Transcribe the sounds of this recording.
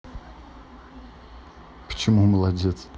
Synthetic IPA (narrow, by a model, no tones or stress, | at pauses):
pə̥t͡ɕɪmuməlˠadʲet̪s